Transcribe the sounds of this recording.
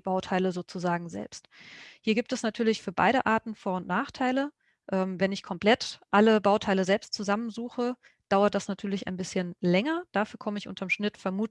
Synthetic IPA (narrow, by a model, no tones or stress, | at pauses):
b̥aʊtʰaɪləzoːt͡suzaːɡŋ̩zɛ̰lpsthiːɐɡiːp̚tɛsnatʰyːɐlɪçfyːɐba̰ɪɾə̰ʔaɐtn̩foːɐʊntnaːχtʰaɪlə | ʔɛːmvɛnɪçkʰɔmpl̥ɛtʔaləbaʊtʰaɪləzɛlpstt͡suzamənzuːxə | d̥aʊɐt̚d̥asnatʰyːɐlɪçʔa̰ɪnbɪsçənlɛŋɐd̥aːfyːɐkʰɔməɪçʔʊ̰ntʰɐmʃnɪtfɛɐmuː